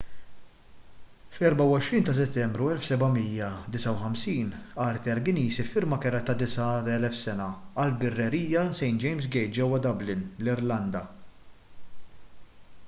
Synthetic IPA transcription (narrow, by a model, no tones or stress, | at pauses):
flɛɾbɐwɔʃɾiːnt̪ɐs̬ɛt̪ːɛmbɾuɛlfsɛbɐmijːɐd̪ɪsɐwħɐmsiːnɐɾt̪ɛɾɡɪniːsifɪɾmɐkɛɾɐt̪ːɐd̪ɪsɐɛlɛfsɛnɐɐlbɪrːɛɾiːjɐsɛjnd͡ʒɛjms̬ɡɛjt̪̚d͡ʒɛwːɐd̪ɐblɪnlɪɾlɐnd̪ɐ